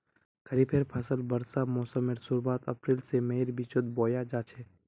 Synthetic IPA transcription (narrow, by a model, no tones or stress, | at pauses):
kʰəɾipʰeːɾpʰaːsəlbəɾsamɔːsəmeɾsuɾbaːt̪ɐpɾiːlsemeɾbit͡ʃʊd̪̚boːjad͡ʒaːt͡ʃʰe